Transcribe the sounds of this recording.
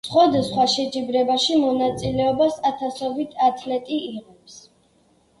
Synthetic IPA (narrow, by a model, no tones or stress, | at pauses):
sχwad̪asχwaʃɛd͡ʒʼibɾɛbaʃimɔnat̪sʼilɛɔbasat̪ʰasɔbit̪ʰat̪ʰlɛt̪ʼiiʁɛps